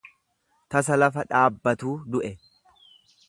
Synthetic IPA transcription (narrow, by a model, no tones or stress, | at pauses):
t̪ɐs̬ɐlɐfɐᶑaːbːɐt̪uːd̪ʊʔɛ